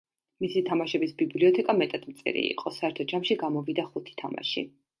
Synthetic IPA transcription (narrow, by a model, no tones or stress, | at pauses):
misit̪ʰamaʃɛbisbibliɔt̪ʰɛkʼamɛt̪ʼad̪̥mt̪sʼḭɾḭḭqʼɔsaɛɾt̪ʰɔd͡ʒamʃiɡamɔvid̪aχut̪ʰi̥t̪ʰama̰ʃḭ